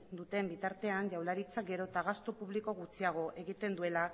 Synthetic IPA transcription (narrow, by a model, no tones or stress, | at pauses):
d̪ut̪e̞mbit̪aɾt̪e̞anʝawlaɾit͡sakɡe̞ɾo̞t̪aɣ̞ast̪opuβliko̞ɣut͡siaɣ̞o̞ʔe̞ɣit̪e̞nd̪ue̞la